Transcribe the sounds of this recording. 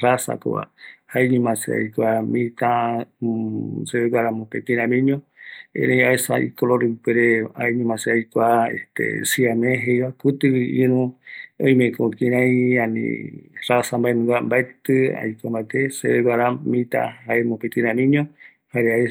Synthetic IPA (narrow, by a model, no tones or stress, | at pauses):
rasa̰ko̰βa̰haeɲũmãsḛa̰jkʷamĩt̪ã | seβeɡʷaɾamõpẽt̪ĩɾ̃ãmĩɲõḛ̃ɾẽj̃aesaḭkoloɾɨkeɾeaeɲũmãseajkʷaḛht̪ḛsiamẽɦejβakut̪ɨwiĩɾũõj̃mẽkõkĩɾãjãnḭ̃rasambaenũŋɡambaet̪ɨa̰jkʷambaet̪eseβeɡʷaɾamĩt̪ã̰haemõpet̪ĩɾãmĩɲõ | haɾeae